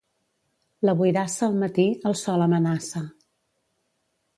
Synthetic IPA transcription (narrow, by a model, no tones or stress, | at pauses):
ləβujðasəːlˠmət̪iəlˠsɔləmənasə